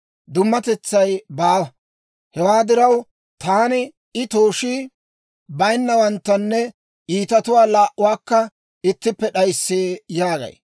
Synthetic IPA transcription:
d̪ʊmːɐt̪ɛt͡sːɐjbaː | hɛwaːd̪ɪɾɐw | t̪aːnɪ | ɪt̪oːʃiː | bɐjnːɐwɐnt̪ːɐnːɛ | ʔiːt̪ɐt̪ʊwaːlaːʔʊwaːkːɐ | ɪt̪ːɪpːɛɗɐjsːeːjaːɡɐ̰j

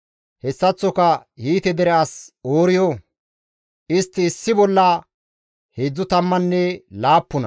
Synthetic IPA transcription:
hɛsːɐt͡sːɔkɐhiːt̪ɛd̪ɛɾɛasoːɾɪjoː | ʔɪst̪ːɪːsːɪbɔlːɐ | heːd͡zːʊt̪ɐmːɐnːɛlaːpːɔnɐ̰

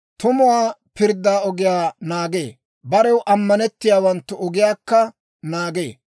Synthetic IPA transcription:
t̪ʊmʊwaːpɪɾd̪ːaːɔɡɪjaːnaːɡeː | bɐɾɛwʔɐmːɐnɛt̪ːɪjaːwɐnt̪ːʊɔɡɪjaːkːɐ | naːɡḛː

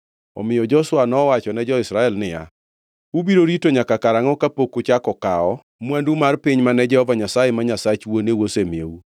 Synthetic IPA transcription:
ɔ̰mɪjɔd͡ʒɔswanɔwat͡ʃɔnɛd͡ʒɔɪsɾaɛlnɪja̰ | ubiɾoɾitoɲakakaɾaŋɔkapokot͡ʃakɔkaɔ | mwandumarpɪɲmanɛd͡ʒɛhɔvaɲasajɛmaɲasat͡ʃwonewosemjḛu

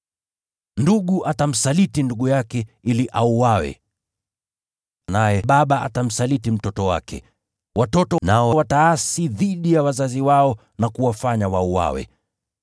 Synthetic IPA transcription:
nduɠuʔatam̩salitinduɠujakɛiliʔauwawɛ̰ | najɛɓaɓaʔa̰tam̩salitim̩tɔtɔwa̰kɛ̰ | watɔtɔnaɔwataasiðiɗijawazaziwaɔ | nakuwafaɲawauwa̰wɛ̰

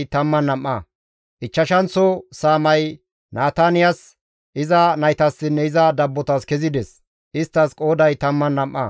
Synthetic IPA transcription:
t̪ɐmːɐnːɐmːɐ̰ | ʔɪt͡ʃːɐʃɐnt͡sɔsaːmɐj | naːt̪anɪjɐs | ʔɪzɐnɐjt̪ɐsːɪnːɛɪzɐd̪ɐbːɔt̪ɐskɛzɪd̪ɛs | ʔɪst̪ːɐskʼo̞ːd̪ɐjt̪ɐmːɐnːɐmʔːɐ̰

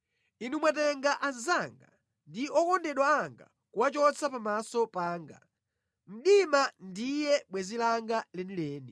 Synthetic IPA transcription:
inumwatɛŋɡaʔanzaŋɡa̰ | ndiɔkɔndɛɗwaːŋɡa̰ | kuwat͡ʃɔt͡sapamasɔpaːŋɡa̰ | m̩ɗimandijɛɓwɛzilaŋɡalɛnilɛːni

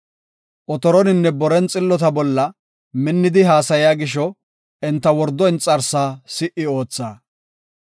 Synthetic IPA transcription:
ʔɔt̪ɔɾɔnɪnːɛbɔɾɛnt͡sʼɪlːɔt̪̬ɐbɔlːɐ | mɪnːɪd̪ɪɦaːsɐjɪjaːɡɪʃ̬ɔ | ɛnt̪ːɐwɔɾd̪ɔɪnt͡sʼɐɾsaːsɪʔɪo̞ːt͡sːaː

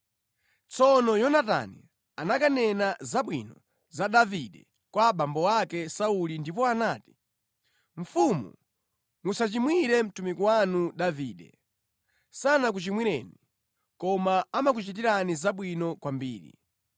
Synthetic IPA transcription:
t͡sɔnɔjɔnata̰ni | anakanɛnazaɓwḭnɔ | zaɗaviɗɛ | kwaɓambɔwakɛsaulindip̬ɔanaːti̥ | ɱ̩fumṵ | musat͡ʃimwiɾɛm̩tumikuwanuɗaviːɗɛ̰ | sanak̬ut͡ʃimwiɾɛ̰ni | kɔmaːmak̬ut͡ʃit̬iɾanizaɓwinɔkwambiːɾḭ

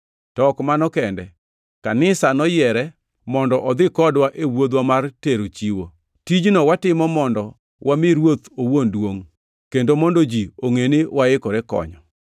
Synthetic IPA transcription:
tɔkmanɔkɛndɛ | kanɪsanɔjɛɾɛ | mɔndɔʔɔd̪ɪkɔdwaʔewod̪wamarteɾot͡ʃiwo | tid͡ʒnɔwatɪmɔmɔndɔ | wʔamɪɾwot̪owondwoŋ | kendomɔndod͡ʒioŋenewʔaɪkɔɾɛkɔ̰ɲɔ̰

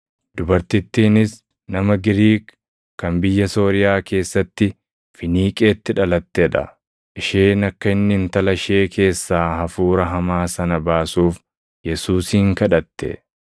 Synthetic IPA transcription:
d̪ʊbɐɾt̪ɪt̪ːiːnɪs | nɐmɐɡɪɾiːk | kːɐnbɪjːɐso̞ːɾɪjaːke̞ːsːɐt̪ːɪ | fɪniːkʼe̞ːt̪ːɪᶑɐlɐt̪ːeᶑɐ̰ | ʔɪʃeːnɐkːɐɪnːɪnt̪ɐlɐʃe̞ːkʰe̞ːsːaːhɐfuːɾɐɦɐmaːsɐnɐbaːsuːf | jɛsuːsiːŋkɐᶑɐt̪ːɛ̰

